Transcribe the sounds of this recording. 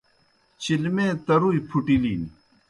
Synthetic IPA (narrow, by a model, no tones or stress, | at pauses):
t͡ɕʰilmẽːt̪ɐɾujpʰuʈiliːni